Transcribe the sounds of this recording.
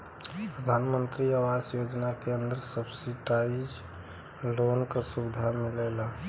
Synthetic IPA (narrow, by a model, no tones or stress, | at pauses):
pɾəd̪ʱanmənt̪ɾiawasjod͡ʒnakeənd̪əɾsəbsiʈaid͡ʒ | lonkəɾsubid̪ʱamilela